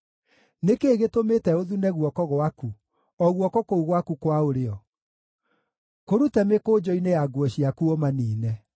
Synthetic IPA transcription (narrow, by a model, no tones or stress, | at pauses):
nekeːɣetometɛoðunɛɣwɔkɔɣwaku | ɔɣwɔkɔkouɣwakukwaoɾeɔ | koɾutɛmekoːd͡ʑɔinejaɡwɔɕiakuɔmaniːnɛ